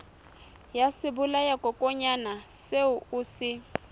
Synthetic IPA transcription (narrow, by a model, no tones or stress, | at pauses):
jasɪbʊlajakʼɔkʼɔɲanaseʊʊːsɪ